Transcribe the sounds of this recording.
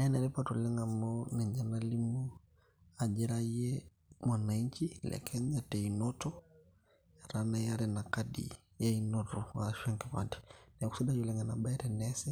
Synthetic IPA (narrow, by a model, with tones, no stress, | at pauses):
na˦ɛ˦nɛ˨ɾɛ˦patu˨lɛ˦ŋa˨mɔnɛ˨ɲd͡ʒa˨na˦li˦mu˦ | a˨d͡ʒɛ˦ɾa˦ɛ˦ | ma˨na˨i˦ɲt͡ʃi˦lɛ̰kʰɛ˦ɲatɛ˨inɔ˦tɔ˦ | a˨ɾana˦ja˦ɾɛna˨kadḭ | ja˦inɔtɔ˨a̰ʃɛ˦ŋkɛ˨βa̰ndi˨nɛ˨ku̥˦si˦ɗa˦d͡ʒu˨lɛŋɡa˨na˨ɓa˦ɛɾɛnɛsɛ˦